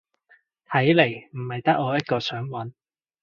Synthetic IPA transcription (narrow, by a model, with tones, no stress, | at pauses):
t̪ʰɐ˨˥jle˨˩jm̩˨˩hɐ˨jt̪ɐ˥k̚ːɔː˨˧jɐ˥t̚kɔː˧sœː˨˥ŋwɐ˨˥n